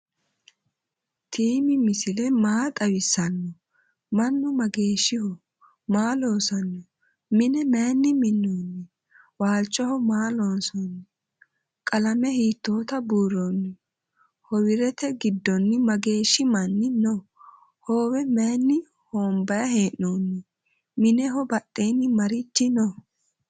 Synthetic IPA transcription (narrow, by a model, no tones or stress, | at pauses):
t̪ʰiːmɪmɪsɪlɛmaːt̪ʼɐwɪsːɐnːɔ | mɐnːʊmɐɡe̞ːʃːɪhɔ | maːloːsɐnːɔ | mɪnɛmeːnːɪmɪnːoːnːɪ | waːlt͡ʃʼːɔhɔmaːloːnsɔnːɪ | kʼɐlɐmɛhiːt̪ːoːt̪ɐbuːɾːonːɪ | hɔwɪɾɛt̪ɛɡɪd̪ːɔnːɪmɐɡe̞ːʃːɪmɐnːɪnɔ | hoːwɛmeːnːɪ | hoːmbɐjɐhe̞ːʔnoːnːɪ | mɪnɛɦɔbɐtʼːeːnːɪmɐɾɪt͡ʃːɪnɔ